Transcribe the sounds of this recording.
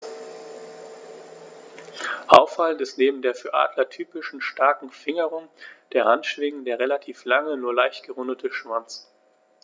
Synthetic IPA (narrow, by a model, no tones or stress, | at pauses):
ʔaʊfaləntɪstneːbm̩deːɐfyːɐʔa̰ːdlɐtʰyːpɪʃn̩ʃtaɐkŋ̩fɪŋəʁʊŋd̥eːɐʁantʃv̥ɪŋn̩deːɐʁelatʰiːflaŋənuːɐlaɪçtɡ̥əʁʊndətʰəʃv̥ant͡s